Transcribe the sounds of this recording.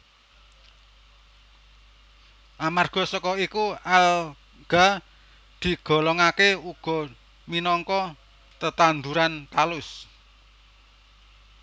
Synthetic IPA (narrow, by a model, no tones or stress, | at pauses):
ʔamarɡ̥ɔ̤sɔkɔikual | ɡ̥a̤ | d̪̥i̤ɡ̥ɔ̤lɔŋakeuɡ̥ɔ̤ | minɔŋkɔ | t̪ət̪and̪uɾant̪alʊs